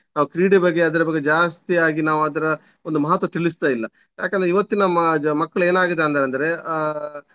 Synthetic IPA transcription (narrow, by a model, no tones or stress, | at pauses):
naːʋukɾiːɖibɐɡːeɐd̪ɐɾɐbɐɡːed͡ʒaːst̪ijaːɡinaːʋuɐd̪ɐɾɐ | ond̪umɐɦɐt̪ːʋɐt̪iɭis̬t̪aːjilːɐ | ja̰ːk̬end̪ɾeiʋɐt̪ːinɐmɐkːɐɭe̞ːnaːɡid̪eɐnd̪aɾɐnd̪ɐɾe̞